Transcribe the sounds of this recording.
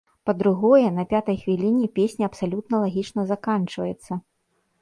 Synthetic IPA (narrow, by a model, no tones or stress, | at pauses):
pɐd̪ɾuɣɔjɛnɐpʲat̪ɐjxvʲilʲinʲipʲesʲnʲiɐpsalʲut̪nɐlˠaɣʲit͡ʂnɐzakant͡ʂvɐjɛt̪sːɐ